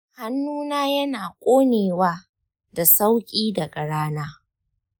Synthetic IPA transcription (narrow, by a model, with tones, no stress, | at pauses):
ha˦nːuː˦naː˦jɐ˦naː˨kʷʼoː˦neː˨waː˦ | da˨sa˦wkʲʼiː˦da˨ɡʼɐ˨ɽaː˦naː˦